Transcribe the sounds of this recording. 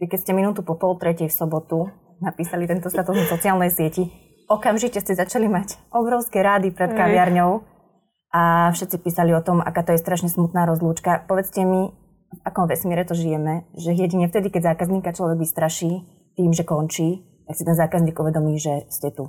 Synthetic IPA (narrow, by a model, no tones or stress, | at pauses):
ʋikɛscɛminuːt̪upɔpɔlt̪ɾɛcɛjfsɔbɔt̪u | napiːsalit̪ɛnt̪ɔst̪at̪uznasɔt͡siaːlnɛjsɪɛci | ɔkamʒicɛscɛzat͡ʃalimacʔɔbɾɔʊskɛɾad̪ipɾɛt̪kaʋɪaɾɲɔʊ | ʔafʃɛt̪t͡sipiːsaliɔt̪ɔmʔa̰kaːt̪ɔjɛst̪ɾaʃɲɛsmut̪naːɾɔzluːt͡ʃkapɔʋɛt͡scɛmi | vakɔmʋɛsmɪɛɾɛt̪ɔʒijɛmɛʒɛɦjɛɟiɲɛft̪ɛd̪ikɛɟzaːkazɲiːkat͡ʃlɔʋɛɡʋist̪ɾaʃiː | t̪iːmʒɛkɔnt͡ʃiː | t̪aksit̪ɛnzaːkazniːɡuʋɛd̪ɔmiːʒɛscɛt̪u